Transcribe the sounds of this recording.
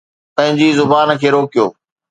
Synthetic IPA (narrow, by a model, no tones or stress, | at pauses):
p̪ɐ̃ɦɪ̃ɲd͡ʑiːzʊbaːnkʰeːɾoːkijo̰ː